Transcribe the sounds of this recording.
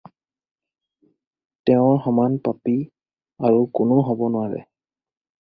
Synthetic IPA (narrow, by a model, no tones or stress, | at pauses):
tɛʊ̃ɹxɔmanpapi | aɹukʊnʊɦɔbɔnʊwaɹɛ̰